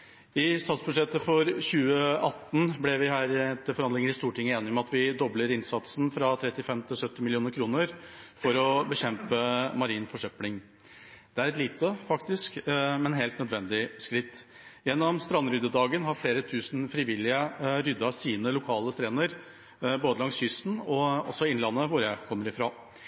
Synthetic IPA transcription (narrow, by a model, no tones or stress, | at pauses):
ɪst̪ɑːt̪sbʉʂɛt̪ːəfɔɾçʉːəɑt̪ːn̩blɪʋɪɦæːɾɛt̪ːəɾfɔɾɑnd̪lɪŋəɾɪst̪uːʈɪŋːəeːnɪɔmɑt̪ʋɪd̪ɔbləɾɪnsɑt̪sn̩fɾɑt̪ʰɾɛt̪ːɪfɛmt̪ʰɪlsœt̪ːɪmɪlɪuːnəɾkʰɾuːnəɾfɔɾɔbəçɛmpəmɑɾiːnfɔʂœplɪŋ | d̪̥ɛæɾɛt̪liːt̪əfɑkt̪ɪskmɛnɦeːlt̪nœd̪ʋɛnd̪ɪskɾɪt̪ː | jɛnːɔmst̪ɾɑnːɾʏd̪əd̪ɑːɡənɦɑɾfleːɾət̪ʰʉːsn̩fɾɪʋɪlɪəɾʏd̪ːɑsiːnəlʊkʰɑːləst̪ɾeːnəɾ | boːd̪əlɑŋsçʏsn̩ɔɔ̰sːɔɪnlɑnːəʋʊɾjækʰɔmːəɾɪfɾɑ̰ː